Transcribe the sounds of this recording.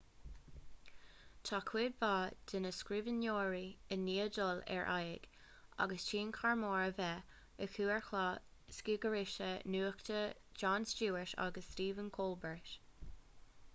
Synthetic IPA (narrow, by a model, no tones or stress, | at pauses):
t̪ʰaːkʰwɪdvaːd̪̥ɪnəskɹivənjoːɹiənːiːədɔlɛ̰ɹʔajɪ̰ɡ̥ | a̰ɡəst͡ʃiːnkʰaɹmoːɹəvɛ | əkʰuːɛɹxlɑskiːɡəɹɪʃənuːktəd͡ʒɑːnst͡ʃuːɪʃa̰ɡəsːtiːvənkʰoːlbəɹʃ